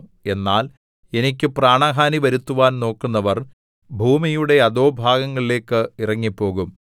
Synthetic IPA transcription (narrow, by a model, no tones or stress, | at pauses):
e̞nːaːl | e̞nik̬ʲːɨpraːɳɐɦaːniʋɐɾut̪ːuʋaːnno̞ːkːunːɐʋɐr | bʱuːmijuɽe̞ɐðo̞ːbʱaːɡɐŋːɐɭile̞ːkːɨirɐŋːipːo̞ːɣum